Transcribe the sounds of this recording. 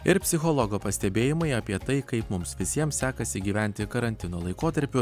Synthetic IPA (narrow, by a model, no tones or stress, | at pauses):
ɪɾpʲsʲɪxɔlˠɔɡoːpɐsʲt̪ʲɛbʲeːjɪmɐɪɐpʲiɛt̪ɐɪkɐɪpmʊmsʋʲɪsʲiɛmsʲæːkɐsʲɪɡʲiːʋʲæˑnʲt̪ʲɪkɐɾɐnʲt̪ʲɪnoːlˠɐɪkoːt̪ɐɾʲpʲʊ